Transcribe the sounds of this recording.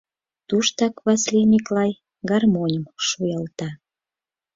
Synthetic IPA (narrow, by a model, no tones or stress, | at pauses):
t̪uʃt̪ɑkβɑslinʲiklɑj | ɡɑrmonʲəmʃujɑlt̪ɑ